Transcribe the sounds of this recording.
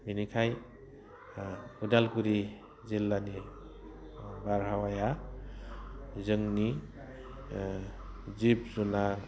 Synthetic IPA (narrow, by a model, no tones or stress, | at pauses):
minikʰaj | udalkuɾi | zilːani | baɾɦawaja | zɯŋni | zip̚zunaɾ